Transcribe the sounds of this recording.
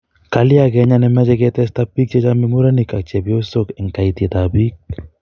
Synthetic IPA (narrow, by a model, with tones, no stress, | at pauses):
ka˨lɪ˦aɡɛ˦ɲa˦nɛ˦mɛ˦d͡ʒɛ˦ɡɛt̪ɛst̪apːi˦k̚t͡ʃɛ˦t͡ʃami˦mu˦ɾa˦nika˨k̚t͡ʃɛ˨bjo˦so˦kɛ˨ŋka˨it̪i˨t̪abi˦k̚